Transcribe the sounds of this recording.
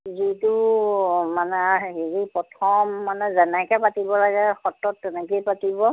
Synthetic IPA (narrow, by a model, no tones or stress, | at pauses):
zitu | manɛaɦeɹipɹɔtʰɔmːanɛzɛnɛkɛpatibɔlaɡɛxɔtːɔtːɛnɛkejpatibɔ